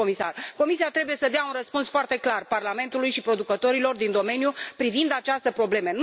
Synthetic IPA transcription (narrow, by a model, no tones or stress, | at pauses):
omisa̰rko̞misiat̪ɾe̞buje̞səd̪eaunrəspunsfoart̪e̞klarparlame̞nt̪ulujʃipɾo̞d̪ukət̪o̞ɾilo̞rd̪ind̪o̞me̞njupɾivind̪at͡ʃast̪əpɾo̞ble̞men